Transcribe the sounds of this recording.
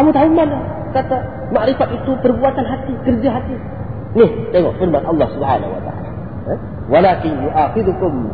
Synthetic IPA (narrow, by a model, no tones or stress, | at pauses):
amut̪haumːala | kat̪a | maʔɾɪfat̪it̪upəɾbuat̪anɦat̪ːikəɾd͡ʒaɦat̪ːi | nisajmafɪɾmat̪ʔɑlˤːa̰subħa̰ːna̰ṵa̰t̪a̰a̰ːla | walaːkɪnjuʔaxɪd̪ukʊm